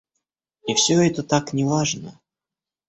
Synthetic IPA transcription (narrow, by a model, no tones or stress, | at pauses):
ifsʲɵɛt̪ət̪aknʲɪvaʐnə